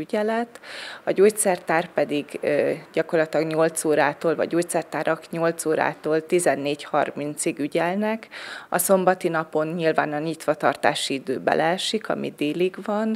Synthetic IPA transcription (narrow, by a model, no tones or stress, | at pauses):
yɟɛlɛt̪ɒɟoːc̪sɛrt̪aːrpɛd̪iɡɟɒko̞rlɒt̪lɒɡɲo̞lt̪soːɾaːt̪oːlvɒ̰ɟoːctsɛrt̪aːɾɒkɲo̞lt̪soːɾa̰ːt̪oːlt̪izɛnːeːchɒrmint̪siɡyɟɛlnɛkɒ̰so̞mbɒt̪inɒpo̞nɲilvaːnɒɲit̪ʋɒt̪ɒrt̪a̰ːʃiid̪øːbɛ̰lʔɛʃikɒ̰mḭd̪eːliɡʋɒn